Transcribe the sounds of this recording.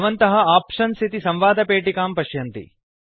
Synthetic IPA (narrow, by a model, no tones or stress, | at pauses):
ʋɐnt̪ɐɦɐaːpʂɐnst̪ʰit̪isɐmʋaːd̪ʱɐpeːʈikaːmpɐʃjɐnt̪ḭ